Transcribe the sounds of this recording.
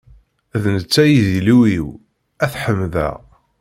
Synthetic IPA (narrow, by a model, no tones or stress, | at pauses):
ðnət͡sːæjiziluwiw | æθħəmðæ̰